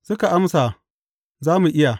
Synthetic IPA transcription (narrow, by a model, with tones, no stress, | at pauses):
sʊ˦ka˨ʔa˦msa˨ | zaː˦mu˨ʔɪ˦ja˨